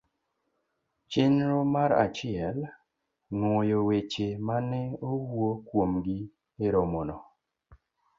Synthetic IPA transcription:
t͡ʃenɾomaɾa̰t͡ʃɪɛl | nwojowet͡ʃemanɛowwokwomɡi | eɾomɔnɔ

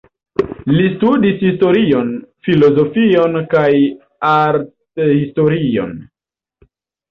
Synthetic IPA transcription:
listudishisto̞ɾio̞nfilo̞zo̞fio̞nkaj | aɾtehisto̞ɾio̰n

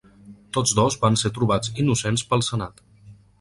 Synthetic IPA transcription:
t̪od͡zdɔzbanset̪ɾuβ̞ad͡zinusenspəlˠsənat̪

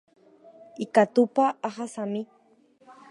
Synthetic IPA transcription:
ikat̪upaːχasami

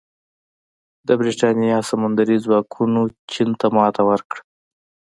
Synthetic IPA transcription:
d̪əbɾiʈɑnijɑsamand̪aɾizwɑkʰunot͡ʃint̪amɑt̪ʰawəɾkɽ

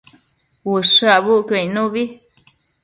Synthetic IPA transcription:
wɨʂɨaβuʔkoĩnũβi

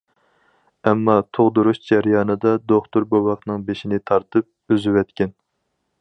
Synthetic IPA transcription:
ɛmːɑt̪ʰoʁd̪uɾuʃd͡ʒæɾjɑːnɨd̪ɑd̪oχt̪ʊɾbowɑχnɨŋbeʃinɪt̪ʰɑɾt̪ɨp̚øzywɛt̪kʲɛn

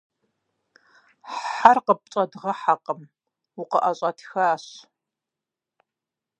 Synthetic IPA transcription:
ħarqəp̚t͡ʃʼɐdʁɐħaqəm | wʊqəʔɐɕʼɐtʰxaːɕ

